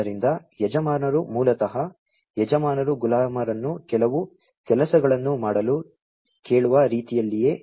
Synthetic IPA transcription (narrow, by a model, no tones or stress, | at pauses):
ɐɾind̪ɐjɛd͡ʒɐmaːnɐɾumuːlɐt̪ɐɦɐ | jɛd͡ʒɐmaːnɐɾuɡulaːmɐɾɐnːukɛlɐʋu | kɛlɐsɐɡɐɭɐnːumaːɽɐlu | ke̞ːɭuʋɐɾiːt̪ijɐlːije̞ː